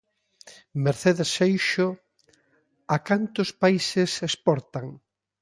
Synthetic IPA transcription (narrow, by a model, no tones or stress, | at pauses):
meɾθeðesejʃʊ | akant̪ʊspaisesespɔɾt̪aŋ